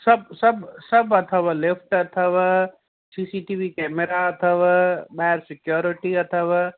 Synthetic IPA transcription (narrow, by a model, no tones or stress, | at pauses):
sɐbsɐbsɐbɐt̪ʰɐʋalɪpʰʈɐt̪ʰəʋa | siːsiʈiʋikɛːmeɾaɐt̪ʰəʋabaɦeɾsɪkjoːɾɪʈiɐt̪ʰəʋa